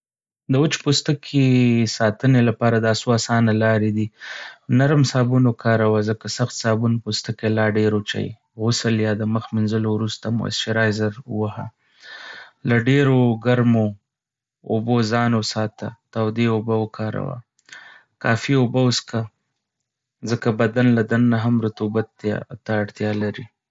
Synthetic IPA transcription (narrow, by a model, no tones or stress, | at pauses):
d̪əʊt͡ʃpost̪əkʰesɑt̪ənelapɑɾad̪asoasɑnalɑɾed̪inaɾmsɑbunokɑɾawazəkasaxt̪sɑbunpost̪əkelɑɖeɾot͡ʃa̰j | ɣʊsəljɑd̪əməxminzəlowɾust̪amo̰a̰sʃeɾɑjzaɾwaha̰ | laɖeɾoɡaɾmo | o̰bozɑnosɑt̪at̪awd̪eobaəkʰɑɾa̰wa̰ | kɑ̰fiobawʊska | zəkabad̪anlad̪anːaɦamɾʊt̪ubat̪t̪aːɽt̪jɑlaɾi